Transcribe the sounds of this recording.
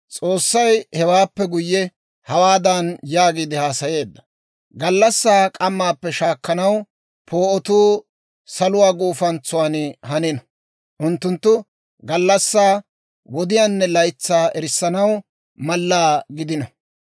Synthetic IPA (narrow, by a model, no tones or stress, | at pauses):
t͡sʼo̞ːsːɐjhɛwaːpːɛɡʊjːɛ | hɐwaːd̪ɐnjaːɡiːd̪ɪhaːsɐje̞ːd̪ːɐ̥ | ɡɐlːɐsːaːkʼɐmːaːpːɛʃaːkːɐnɐw | pʰo̞ːʔɔt̪uː | sɐlʊwaːɡuːfɐnt͡sʊwaːnhɐnɪnɔ | ʔʊnt̪ːʊnt̪ːʊ | ɡɐlːɐsːaː | wɔd̪ɪjaːnːɛlɐjt͡sːaːʔɛɾɪsːɐnɐw | mɐlːaːɡɪd̪ɪnɐ